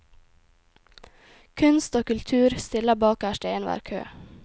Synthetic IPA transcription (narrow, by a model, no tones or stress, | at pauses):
kʰʉnst̪oːkʉlt̪ʰʉːɾst̪ɪləbɑːkæʃʈeɪənʋæ̰ːɾkʰø̰ː